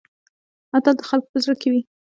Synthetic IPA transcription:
hat̪ɑd̪əxalko̥pəzɾəkewi

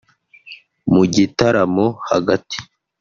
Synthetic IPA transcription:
muɟitaɾamoha̰ɡati̥

